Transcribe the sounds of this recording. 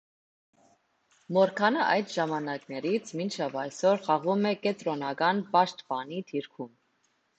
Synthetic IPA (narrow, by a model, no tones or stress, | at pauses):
mɔɾkʰɑnəʔɑjd̪ʒɑmɑnɑknɛɾit͡sʰmint͡ʃʰɛvɑjsɔɾχɑʁumɛkɛt̪ɾɔnɑkɑnbɑʃt̪pɑnit̪ʰiɾkʰum